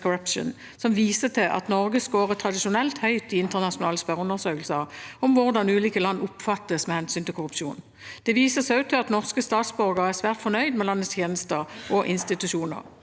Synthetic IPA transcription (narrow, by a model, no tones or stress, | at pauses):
kʊɾœpʃə̰n | sɔmʋiːsət̪ʰɪlʔɑ̰t̪nɔʁɡəskoːʁət̪ʰʁɑd̪ɪʃʊnɛlt̪hœʏt̪ɪɪnt̪əʁnɑʊnɑːləspœʁəʉnːəʁsøːkəlsəʁɔmʋʊʁd̪ɑnʉːliːkəlɑnːʊpfɑt̪ːəsmɛhɛnsyːnt̪ʰɪlkʰʊʁʉpʂuːn | d̪̥ɛʋiːsəsæʉt̪ʰɪlɑt̪nɔʁskəst̪ɑːt̪sbœʁɡəʁæʁsʋæːʁt̪fɔnœʏd̪mɛlɑnːəst̪ʰjeːnəst̪əʁʔɔʔɪnst̪ɪt̪ʉʃuːnə̰ʁ